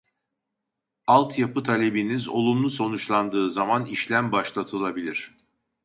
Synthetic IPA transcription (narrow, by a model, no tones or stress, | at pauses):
alˠt̪ʰjapɯt̪ʰalʲe̞binizo̞̰lˠumlˠuso̞nut͡ʃlˠand̪ɯːzamaniʃlʲæmbaʃlˠat̪ʰɯlˠabilʲiɾ̝̥